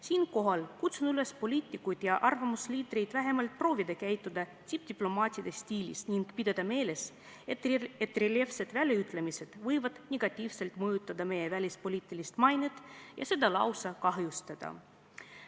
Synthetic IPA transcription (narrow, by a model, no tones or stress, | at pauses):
siːnko̞ɦɑlkut̪sunyle̞spo̞lʲiːt̪ʲːˑikːujd̪̥jɑʔɑrvɑmusliːd̪̥ɾejd̪̥væɦe̞mɑlt̪̚pro̞ːvid̪̥ɑkæjt̪ːˑud̪̥ɑt̪ʲip̚d̪̥ʲiplo̞mɑːt̪ʲiɐd̪est̪ʲiːlʲḭsniŋɡpid̪̥ɑd̪̥ɑme̞ːle̞s | et̪et̪ːˑrelʲe̞fse̞d̪̥vælʲjeyt̪ːˑlemise̞d̪̥vɤjvɑd̪̥nʲeɡ̥ɑt̪ʲːˑiːvse̞lt̪ˑmɤjut̪ːˑɑd̪ɑme̞jevælʲispo̞lʲiːt̪ːˑilist̪mɑjnet̪ˑjɑ̰se̞d̪̥ɑlɑ̰wsɑkɑɦjust̪ɑd̪̥ɑ̰